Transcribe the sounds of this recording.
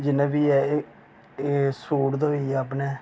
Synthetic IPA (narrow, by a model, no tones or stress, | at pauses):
d͡ʒɪnẽːbiːɛ | suːɽd̪oːiːapneː